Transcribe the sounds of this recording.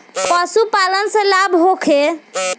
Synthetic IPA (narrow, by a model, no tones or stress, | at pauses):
kɔsupalənsə̃labɦokʰe